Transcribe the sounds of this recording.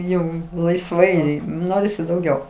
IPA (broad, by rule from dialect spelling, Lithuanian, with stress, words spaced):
ˈjɛʊ lˠɐɪsˈʋɐɪ ˈnoːrʲɪsʲɪ dɐʊˈɡʲɛʊ